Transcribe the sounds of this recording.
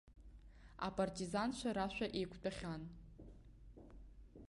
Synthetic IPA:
a̰pʼartʼizanʃʷaɾaʃʷᶣaʔejkʷʰt͡pʼaχʲan

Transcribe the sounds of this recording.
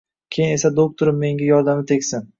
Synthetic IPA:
kʲʰejɪne̞sad̪ok̚t̪ʰʊɾɪmːe̞ŋɡʲajɒɾd̪amɪt̪ʰekʲsɪn

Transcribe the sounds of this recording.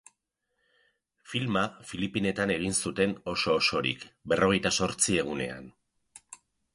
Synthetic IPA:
filmafilipine̞t̪ane̞ɣ̞insut̪e̞no̞so̞ːso̞ɾḭkbe̞rʔo̞ɣ̞e̞jt̪aso̞ɾt͡sie̞ɣ̞une̞̰a̰n

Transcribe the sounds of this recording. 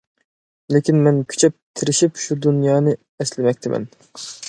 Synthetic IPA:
lekʲinmɛnkʲʰy̥t͡ʃʰɛp̚t̪ʰɪɾɪʃipʃud̪unjɑːnɨ | ɛslɪmɛk̚ʲt̪ʰɪmʔɛ̰n

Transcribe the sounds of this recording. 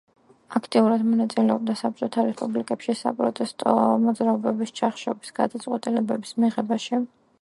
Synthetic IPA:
akʰt̪ʼiuɾad̪mɔnat̪sʼilɛɔb̚d̪asap̚t͡ʃʼɔt̪ʰaɾɛspʼublikʼɛpʃisa̰pʼɾɔt̪ʼɛst̪ʼɔ̰mɔd̪zɾaɔbɛbist͡ʃʰaχʃɔbisɡ̥a̰d̪at̪sʼqʼwɛt̪ʼilɛbɛbismiʁɛbaʃi

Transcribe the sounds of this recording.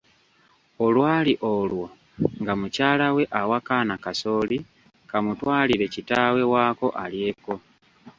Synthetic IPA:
o̞lwaːliʔolwo̞ | ŋɡamucaːlawe̞ʔawakaːnakaso̞ːli | kamutwaːliɾe̞citaːwe̞waːko̞ʔalje̞ːko̞

